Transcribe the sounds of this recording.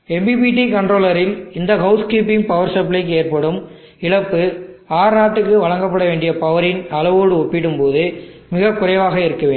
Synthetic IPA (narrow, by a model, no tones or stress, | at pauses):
ɛmbipiːʈ̬ːikɐɳɖroːlɐɾɪlɪnd̪ɐɣɐʊskiːpːɪŋpɐʋɐɾsɐblɐɪk̬ːeːrpɐɽɯm | ɪɭɐpːɯaːɾnaːʈːɯkːɯʋɐɻɐŋɡɐpːɐɽɐʋeːɳɖɪjɐpɐʋɐɾɪnɐlɐʋoːɽɯɔpːɪɽɯmpoːðɯ | mɪɣɐkːʊrɐʋaːɣɐɪɾɯkːɐʋeː